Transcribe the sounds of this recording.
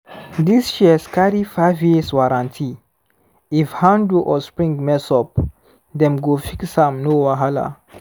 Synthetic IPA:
disʃiskaɾifaɪvjiswaɾãntʰi | ifhãnduʔɔspɹĩŋɡmɛsɔp̚ | dɛ̃mɡofiksãmnowaɦala̰

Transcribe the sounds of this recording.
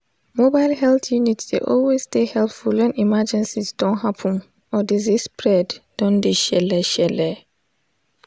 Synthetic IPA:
mobaɪlhɛlθjunitsdḛʔɔlwestehɛlpfulwɛ̃nimad͡ʒɛ̃nsisd̥ɔ̃nhapʰə̃n | ɔdezispʰɹɛdd̥ɔ̃ndeʃɛlɛʃɛlɛ

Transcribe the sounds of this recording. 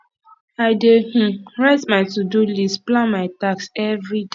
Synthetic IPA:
aɪdeh̩ɹɛstmaɪtudulistplãnmaɪtaksɛvɹide

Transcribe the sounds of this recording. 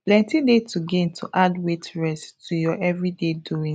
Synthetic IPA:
plɛ̃ntĩdetuɡẽntʰuʔadwetɹɛstʰujɔʔɛvɹideduĩ

